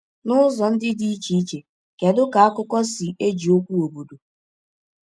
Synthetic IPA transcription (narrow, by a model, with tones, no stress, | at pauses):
nʊ˦zɔ˨n̩˦dɪ˦di˦i˦t͡ʃi˨i˦t͡ʃe˨ | ke˨dʊ˦ka˨a˦kʊ˦kɔ˦sɪ˨ʔe˦d͡ʒi˨o˦kʷu˦o˨bu˨du˨